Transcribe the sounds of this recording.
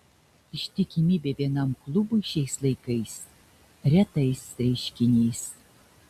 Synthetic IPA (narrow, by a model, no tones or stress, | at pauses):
ɪʃʲt̪ʲɪkʲɪmʲiːbʲeːʋʲiɛnɐmklˠʊbʊɪʃʲɛɪslˠɐɪkɐɪs | ɾʲɛt̪ɐɪsɐɪʃʲkʲɪnʲɛɪs